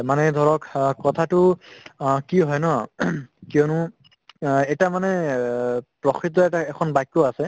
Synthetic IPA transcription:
manɛd̪ʱɔɹɔkkɔt̪ʰatʊ | kiɦɔjnɔ | kijɔnʊ | ɛtamanɛ | pɹɔkʰɹit̪̬ɔɛtaɛkʰɔnbajkːɔasɛ

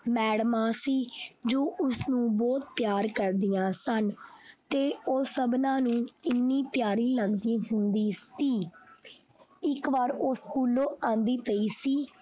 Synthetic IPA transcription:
mɛːɽmãːsiːd͡ʒoːʔʊsnũːbɔːt̪̚pjaːɾkəɾd̪ɪjãːsənt̪eːoːsəbnãːnũːɪnːĩːpjaːɾĩːləɡd̪ĩːɦʊnd̪iːt̪iː | ɪkʋaːɾoːskuːloːãːnd̪iːpəiːsiː

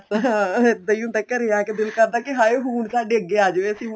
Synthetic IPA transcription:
ɪd̪əiũːt̪ɛːkəɾeːaːkɪd̪ɪlkəɾd̪aːkɪɦaːeːɦuːɳsaːɖeːəɡːeːaːd͡ʒʋeːəsĩː

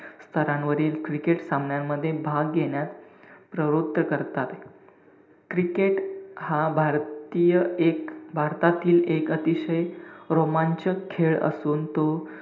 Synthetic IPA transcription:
st̪ʰəɾanʋəɾiːlkɾikeʈsambɳjamːəd̪ʱːjebʱaɡːeɳjat̪pɾəɾot̪ːəkəɾt̪at̪ | kɾikeʈhabʱaɾt̪ijəekbʱaɾt̪at̪iːlekət̪iɕəjɾomaɲt͡ɕəkʰeɭə̰suːnt̪o

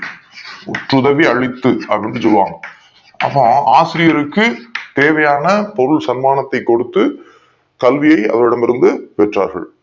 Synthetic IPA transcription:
ʊʈrɯðɐʋiɐɻɪt̪ːɯɐpɾɪndrɯsɔlːɯʋa̰ːŋɡɐ | ɐ̰pːõːaːsɪɾɪjɐɾɯkːɯt̪eːʋɐjaːnɐpɔɾɯlsɐnmaːnɐt̪ːɐɪkːɔɽɯt̪ːɯ | kɐlʋɪjɐɪɐ̰ðɐʋɪɽɐmɪɾɯnd̪ɯpɛʈra̰ːɾɣɐ̰ɭ

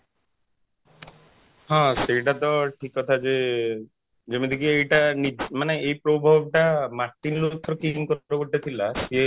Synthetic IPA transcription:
ɦãsejʈat̪ɔʈʰikːɔt̪ʰad͡ʒe | d͡ʒemid̪ʱikiejʈanimaneejpɾobʱob̚ʱʈamaɾʈinlut̪ʰːɾɔkimkɔɾoboʈat̪ʰilas

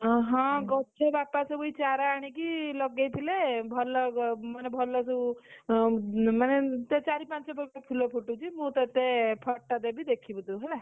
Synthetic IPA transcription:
ɦʌ̃ɡʌt͡ʃʰebapasʌbujt͡saɾaːɽ̃ikilʌɡːejpʰilebʱʌlːʌmʌnebʱʌlːʌsu | manet̪et͡saɾipãnt͡sʌbʌkapʰilopʰuʈːot͡simut̪ʌt̪epʰʌʈːad̪ebid̪ekʰːibut̪uɦʌjla

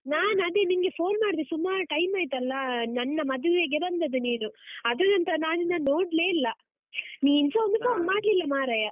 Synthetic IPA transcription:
naːnɐd̪enimɡepʰo̞ːnmaːɖd̪isumːaːʈɐjmaːjt̪ɐlːɐnɐnːɐmɐd̪uʋeːɡebɐnd̪ɐd̪uniːnuɐd̪ɐnɐnt̪ɐnaːnunːɐnoːɽleːlːɐ | niːinsond̪ukɐnmaːɽlilːɐmaːɾɐjɐ

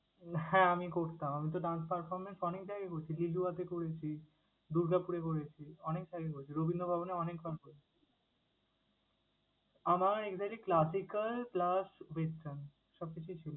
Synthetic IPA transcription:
hɛ̃amikoɾt̪amamit̪oɖanspaɾfɔɾmensɔnekd͡ʑaɡekoɾet͡ɕʰililuat̪ekoɾet͡ɕʰi | d̪uɾɡapuɾek̬oɾet͡ɕʰiɔnek̚d͡ʑaɡekoɾet͡ɕʰiɾobʱind̪ʱobʱaboneɔnekbʱalkoɾet͡ɕʰi | amaɾekzakʈliklasikalplasbesʈan | ʃɔb̚kit͡ɕʰut͡ɕʰilo

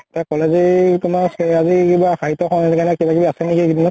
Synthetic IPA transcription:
takɔlezitumasɛazikibaxaɦitɔkʰɔnɛkanɛkibakibaasɛnikiɡidinɔ

